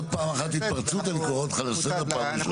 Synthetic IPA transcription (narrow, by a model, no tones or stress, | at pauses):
paːmaχat̪hit̪̚pɐʁt͡sut̪alikoot̪χalaset̪apamiʃ